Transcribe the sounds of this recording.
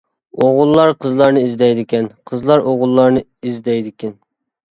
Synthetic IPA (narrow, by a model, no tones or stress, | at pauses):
oʁʊlˠːɑɾqʰəzlˠɑɾnɨizd̪ɛjd̪ɪkʲɛnqʰəzlˠɑɾoʁʊlˠːɑɾnɨizd̪ɛjd̪ɪkʲʰɛn